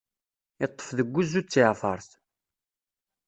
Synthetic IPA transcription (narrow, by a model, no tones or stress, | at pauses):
ɪt̪ˤːə̥fðəɡʷːuzːut͡sːɪʕfɑɾˤθ